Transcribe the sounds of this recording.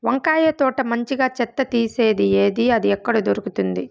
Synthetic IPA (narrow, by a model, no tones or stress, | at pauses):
ʋɐŋkaːjɐt̪ɔːʈɐmɐɲt͡ʃiɡaːt͡ʃɛt̪ːɐt̪iːse̞ːd̪ieːd̪iɐd̪iɛkːɐɽud̪oɾukut̪und̪i